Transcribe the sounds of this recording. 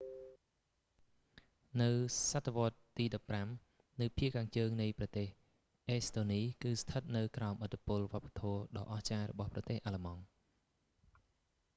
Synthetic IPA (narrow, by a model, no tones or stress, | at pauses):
nɨwsat̪ʰːeʋŏət̪ːiːɗɑpːram | nɨwpʰiəʔkʰaːŋt͡ɕəːŋnɨjprɑt̪eːh | ʔɛːst̪oːniːkɨːst̪ʰət̪̚nɨwkraɔmʔət̪ːipʊəlʋŏəpːḁt̪ʰɔəɗɑ̰ːʔɑht͡ɕaːrɔ̰ɓɑhprɑt̪eːhʔalemɑŋ